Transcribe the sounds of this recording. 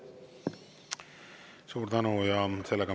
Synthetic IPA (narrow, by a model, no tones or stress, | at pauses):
suːɾt̪ɑnuːjɑselːeɡɑ